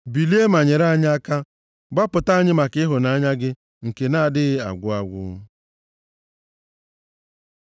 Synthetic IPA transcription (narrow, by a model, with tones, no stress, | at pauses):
bi˨li˦e˦ma˨ɲe˨ɾa˦a˦ɲ˦a˦ka˦ | ɡ͡ba˦pʊ˨ta˦a˦ɲɪ˦ma˨kɪ˦ɦʊ˨na˦ɲa˦ɡɪ˦ | ŋ̩˨ke˨na˦a˨dɪ˦ɣɪ˦a̰˨ɡʷʊ˦a˦ɡʷʊ̰˦